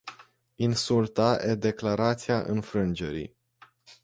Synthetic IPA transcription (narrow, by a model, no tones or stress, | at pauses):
insult̪aʔed̪e̞klaɾat̪sijaʔɨnfɾɨnd͡ʒe̞ɾḭ